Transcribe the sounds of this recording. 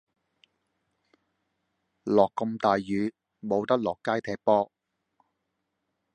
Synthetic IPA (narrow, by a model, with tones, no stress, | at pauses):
lɔː˨kːɔ˧mt̪aː˨jjyː˨˧ | mo˨˧wt̪ɐ˥k̚lɔː˨kːaː˥jt̪ʰɛː˧˩k̚pɔː˥